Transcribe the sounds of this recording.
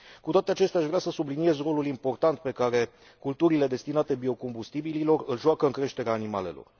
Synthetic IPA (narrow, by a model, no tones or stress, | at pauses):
kut̪oat̪eat͡ʃe̞st̪eaʃvɾeasəsublinije̞zro̞lulimpo̞rt̪ant̪̚pe̞kaɾe̞ | kult̪uɾile̞d̪e̞st̪inat̪e̞bio̞ko̞mbust̪ibililo̞rɨlʒoakəɨŋkɾe̞ʃt̪e̞ɾeaːnima̰le̞̰lo̞̰r